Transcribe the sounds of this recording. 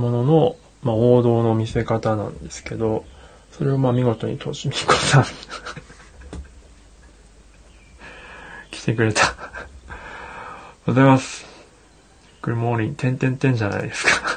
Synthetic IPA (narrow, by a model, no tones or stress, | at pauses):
mo̞no̞no̞ | mao̞ːd̪o̞ːno̞mʲise̞kat̪anã̰nd̪e̞sɨ̥ke̞d̪o̞ | so̞ɾe̞omaːmʲiŋo̞t̪o̞̰ɲ̟ḭt̪ʰo̞̰ːɕimʲiko̥sãŋ | kʲi̥t̪e̞kɯ̟ɾe̞t̪a | ozaimasɨ̥ | kɯ̟ɾɯmoːɾʲĩnt̪ẽ̞nt̪ẽ̞nt̪ẽ̞ɲ̟d͡ʑana̰id̪e̞sɨ̥kḁ